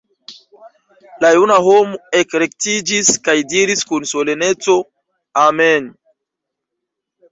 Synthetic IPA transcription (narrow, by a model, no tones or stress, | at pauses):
lajunaɦomoekɾek̚tid͡ʒiskajdiɾiskunsolenet͡so̞ | amen